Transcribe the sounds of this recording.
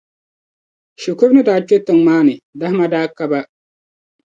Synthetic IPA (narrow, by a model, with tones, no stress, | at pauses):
ʃo˨ko˦bnɨ˦daː˨t͡ʃe˦tɨ˨ŋmaː˦nɨ˨da˦hma˦daː˦ka˦ba˦